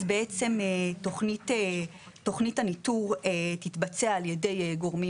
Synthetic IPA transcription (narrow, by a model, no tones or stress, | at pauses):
zbeʔet͡se̞metoχnite | to̞χnithanituʁetitbat͡se̞aːljede̞jɡo̞ʁmi